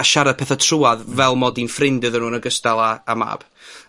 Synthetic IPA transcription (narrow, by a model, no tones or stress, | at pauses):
aʃaɾḁpʰɛːθatʰruːaðvɛlˠmɔdinfrɪndɨðənuːnəɡəstalˠaːma̰ːb̥